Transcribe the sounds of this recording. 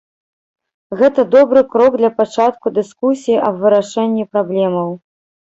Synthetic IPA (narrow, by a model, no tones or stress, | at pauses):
ɣɛt̪ɐd̪ɔbɾɨkɾɔɡ̚d̪lʲɐpat͡ʂat̪̚kud̪ɨskusʲijiʔɐbvɨɾaʂɛnʲːipɾablʲɛmɐw